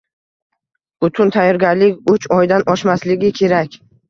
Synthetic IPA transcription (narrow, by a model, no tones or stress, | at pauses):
b̥ʊt̪ʰʊnt̪ʰajːɒɾɡʲaɾlɪkʲʊt͡ʃɒjd̪anɒʃmaslɪɡʲɪkʲʰe̞ɾakʲ